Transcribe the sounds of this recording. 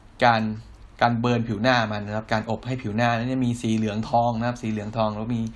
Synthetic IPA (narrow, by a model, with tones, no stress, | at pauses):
kaː˧n | kaː˧nbɤː˧npʰiː˨˩˦wnaː˥˩ma˧n˦kʰa˦˥p̚kaː˧nʔo˨˩p̚ha˥˩jpʰiː˨˩˦wnaː˥˩na˦˥t͡ɕa˨˩miː˧siː˨˩˦lɯ˨˩˦əŋt̪ʰɔː˧ŋna˦kʰp̚siː˨˦lɯ˨˩˦əŋt̪ʰɔː˧ŋlɛ˦˥wmiː˧